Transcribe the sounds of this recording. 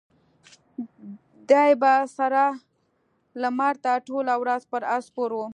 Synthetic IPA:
d̪ɑjbasaɾa | lamɑɾt̪aʈolawɾazpəɾaspoɾwu

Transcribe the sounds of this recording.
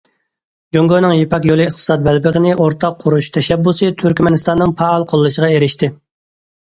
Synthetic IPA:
d͡ʒoŋɡonɨŋjepʰɑkjolˠɨːχt̪ʰɨ̥sɑd̪̚bɛlbɪʁənɪʔoɾt̪ʰɑqʰːʊɾuʃt̪ʰɛʃɛbːusɨt̪ʰyɾkʲmɛnɪst̪ɑnːɨŋpʰɑːlˠqʰolˠːɨʃəʁɑeɾɪʃt̪ɪ

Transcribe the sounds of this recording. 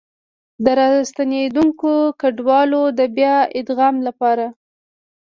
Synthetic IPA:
d̪əɾɑst̪aned̪uŋkokaɖwɑlod̪əbjɑɪd̪ɣɑmlapɑɾa

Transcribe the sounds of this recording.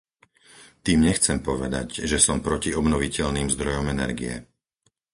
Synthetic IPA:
t̪iːmɲɛxt͡sɛmpɔʋɛd̪a̰ɟʒɛsɔmpɾɔciɔbnɔʋicɛʎniːmzd̪ɾɔjɔmɛnɛ̰ɾɡḭjɛ̰

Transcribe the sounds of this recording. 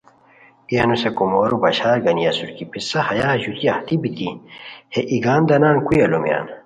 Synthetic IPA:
ijɐnusekumoːɾubɐɕaːɾɡɐnijɐsuɾkipisɐhɐjaːʑut̪iɐht̪ibit̪iheʔiɡaːnd̪ɐnaːnkujɐlomja̰ːn

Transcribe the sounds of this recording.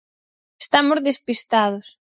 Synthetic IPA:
e̥st̪amozðespist̪að̞ʊs

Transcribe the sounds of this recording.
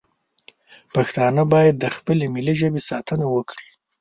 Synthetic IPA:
paxt̪ɑnəbɑjad̪ːəxpəlemiliʒəbesɑt̪ʰənawəkɽi̥

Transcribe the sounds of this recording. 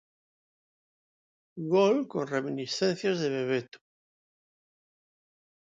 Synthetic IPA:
ɣolkonreminisθẽnθjazðeβeβet̪u̥

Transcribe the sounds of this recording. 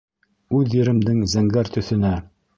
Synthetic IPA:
ʉðjɘ̆ɾɘ̆md̪ɘŋzæŋɡæɾt̪ɵ̆θɵ̆næ

